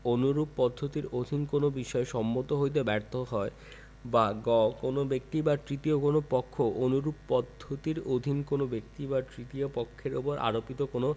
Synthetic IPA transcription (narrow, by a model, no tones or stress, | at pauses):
onuɾuppɔd̪ʱːot̪iɾod̪ʱinkonobiʃɔeʃɔmːot̪oɦojt̪̬ebɛɾt̪ʰoɦɔe | baɡɔkonobek̚t̪ibat̪ɾit̪iokonopɔkʰːoʔonuɾuppɔd̪ʱːot̪iɾod̪ʱinkonobek̚t̪iβat̪ɾit̪iopɔkʰːeɾopoɾʔa̰ɾopit̪okono